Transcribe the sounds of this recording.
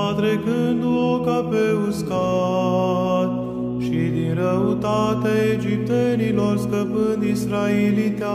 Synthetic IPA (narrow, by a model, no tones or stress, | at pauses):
t̪ɾe̞kɨnd̪uokapeuska | t̪ | ʃid̪inɾəut̪at̪eaed͡ʒip̚t̪e̞nilo̞rskəpɨnd̪isɾaelit̪ea